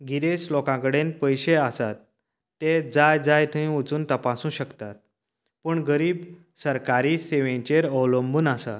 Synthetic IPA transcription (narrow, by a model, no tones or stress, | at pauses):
ɡiɾeslɔkãkəɽenpəjɕeasat̪ː | ed͡zajd͡zajt̪ʰəĩut͡suːnt̪əpasũːɕəkt̪at̪̚ | pəːɳɡəɾiːb | səɾkaɾiːseʋẽt͡ɕeɾəwləmbuːnasa̰t̪